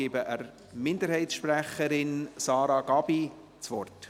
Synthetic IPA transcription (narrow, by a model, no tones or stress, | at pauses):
ibəʔəɾ | mɪndəɾhɛɪtsʃpræχəɾɪnsɑːɾɑɡ̥ɑb̥i | t͡sʋɔrt